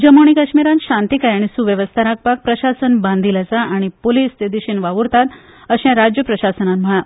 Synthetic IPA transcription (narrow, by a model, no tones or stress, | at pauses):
d͡ʑəmoɳ̃ikaɕmiɾãnɕãnt̪ikajaɽ̃isuʋjəʋəst̪ʰaɾak̚pak̚pɾəɕasənbãnd̪ʱilat͡saaɽ̃ipoliːst̪ed̪iɕinʋaʋuɾt̪at̪ | əɕɛ̃ɾad͡ʑjəpɾəɕasənanm̤əɭa